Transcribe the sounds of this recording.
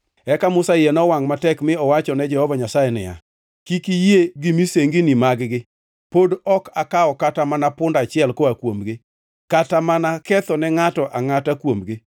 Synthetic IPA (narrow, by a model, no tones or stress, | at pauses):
ɛkamʊsajenɔwaŋmatɛkmɪɔwat͡ʃɔnɛd͡ʒɛhɔvaɲasajɛnɪ̰ja̰ | kikijeɡimiseŋɡɪnimaɡɡɪ | podɔkakaɔkatamanapʊndat͡ʃɪɛlkoakwomɡɪ | katamanakɛt̪ɔnɛŋatɔʔaŋatakwomɡɪ